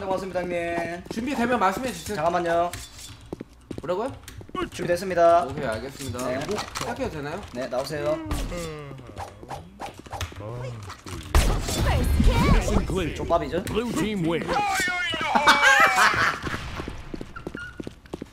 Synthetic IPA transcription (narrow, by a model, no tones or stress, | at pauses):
d̪emas͈ɯmɲidaŋnet͡ɕumbidwe̞mjʌnmaɭs͈ɯmed͡ʑusʰet͡ɕaŋamaɲo | kuɾaɡojot͡ɕumbidwes͈ɯmɲidaokʰeaɭɡes͈ɯmɲidaeakʰeodenajone̞naos̬ʰe̞jo | inkt͡ɕop͈ːabid͡ʑood͡ʑimwe